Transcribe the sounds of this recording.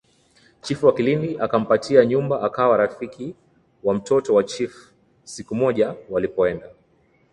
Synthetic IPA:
t͡ʃifuwakilindiʔakam̩patʰiaɲumbaʔakawaɾafiki | wam̩tɔtɔwat͡ʃif | sikumɔʄawalipɔɛnda

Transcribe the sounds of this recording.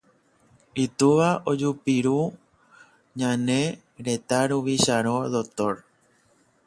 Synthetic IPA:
it̪uʋaʔod͡ʒupiɾu | ɲãnẽ̞ | ɾe̞t̪aɾuʋiʃaɾõðot̪oɾ

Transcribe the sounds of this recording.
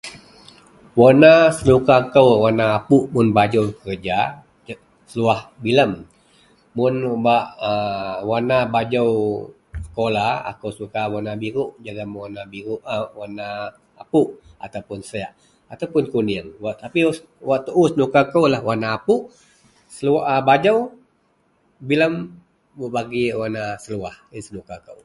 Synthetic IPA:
wonasənukakəwwanaːpuʔmʊnbad͡ʒəwkəɾəd͡ʒa | səluahbiləm | mʊnbaʔəwanabad͡ʒəw | sə̥kolaa̰kəwsəukawanabiɾuʔd͡ʒaɡamwanabiɾuʔəwanaː | puʔat̪awpʊnsəaʔ | at̪awpʊnkundiəŋwaʔt̪api | waʔt̪uʔusənukakəwlahwanaːpuʔ | səluaʔəbad͡ʒəw | biləm | buʔbaɡiwanasəluahisənukakəw

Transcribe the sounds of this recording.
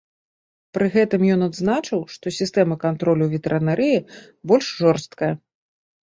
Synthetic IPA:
pɾɨɣɛt̪ɨmjɔnad̪znat͡ʂɨwʂt̪ɔsʲist̪ɛmɐkant̪ɾɔlʲuvʲɛt̪ɛɾɐnaɾʔɨji | bɔlʲʂʐɔrst̪̚kɐjɐ

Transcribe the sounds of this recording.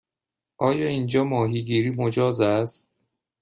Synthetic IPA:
ʔɒːjɒːiːnd͡ʒɒːmɒːɦiːɡiːɾiːmod͡ʒɒːzæst̪̚

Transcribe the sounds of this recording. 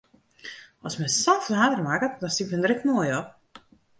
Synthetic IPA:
ɔsmɛsɔfɦaːdərmakədɔnsikʋəndrɪkmoəjɔp̚

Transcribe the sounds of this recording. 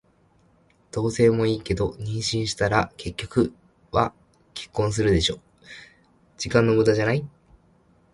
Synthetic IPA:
d̪̥o̞ːse̞ːmo̞iːke̞d̪o̞ɲ̟ĩɰ̃ɕĩɰ̃ɕi̥t̪aɾake̞kʲːo̞̥kɯ̟ | βa̰ | kʲe̞̥kːõ̞ɰ̃s̬ɨɾɯ̟d̪e̞ɕo̞ː | d͡ʑikãnːo̞mbɯd̪aʑanai

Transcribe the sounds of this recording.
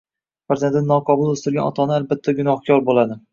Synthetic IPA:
faɾzʲend̪ɪnɒqʰɒbʊlˠɵst̪ɪɾɡʲanɒ̰t̪ʰɒnɪalbat̪ʰːaɡʊnɒhkʰʲɒɾbolad̪ɪ

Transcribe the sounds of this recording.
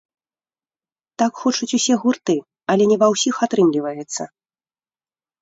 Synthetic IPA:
t̪akxɔt͡ʂut͡sʲusʲɛɣurt̪ɨ | ɐlʲɛnʲɛvawsʲixat̪ɾɨmlʲivɐjɛt̪sːɐ

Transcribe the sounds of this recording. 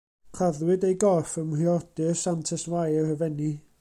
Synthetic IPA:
kʰraðwɨdejɡɔrfəmriɔd̥ɨsantʰɛswajəhəvɛni

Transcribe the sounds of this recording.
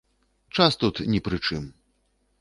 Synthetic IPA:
t͡ʂast̪ut̪nʲɛpɾɨt͡ʂɨm

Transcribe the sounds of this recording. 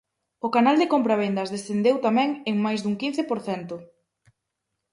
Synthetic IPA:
ʊkanald̪ɪkompɾaβ̞end̪ɐzðesθend̪ewt̪amɛ̃ŋeŋmajzðuŋkinθɪpoɾθɛnt̪ʊ

